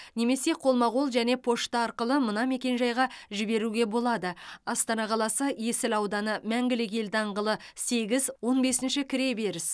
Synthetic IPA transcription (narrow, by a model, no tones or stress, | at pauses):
ne̞me̞se̞qʰo̞lˠmɑʁolˠʒæne̞pʰo̞ʃt̪ɑɑɾqəlˠəmənɑme̞kʲe̞nʒɑjʁɑʒɪbe̞ɾuɡʲe̞bo̞lˠɑd̪əɑst̪ɑnɑqʰɑlˠɑsəje̞sɪlɑwd̪ɑnəmæŋɡʲɪlɪk̬ʲe̞ld̪ɑɴʁəlˠəse̞ɡʲɪzwo̞nbe̞sɪnʃɪkʲʰɪɾe̞be̞ɾɪs